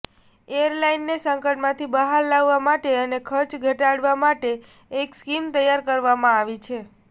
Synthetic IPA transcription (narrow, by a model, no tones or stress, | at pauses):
ejəɾlainːesəŋkəʈmãt̪ʰibəɦaɾlaʋːamaʈeənekʰəɾt͡ʃɡʱəʈaɽʋamaʈe | ekskimt̪əjaɾkəɾʋamãaʋit͡ʃʰe